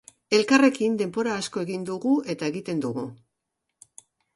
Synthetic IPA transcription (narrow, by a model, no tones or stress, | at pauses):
e̞lkare̞kind̪e̞mbo̞ɾaːsko̞eɣind̪uɣue̞t̪ae̞ɣit̪e̞nd̪uɣu